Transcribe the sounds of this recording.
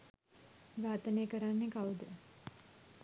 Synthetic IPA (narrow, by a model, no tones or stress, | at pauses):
ɡaːt̪əneːkəɾanːekawd̪ə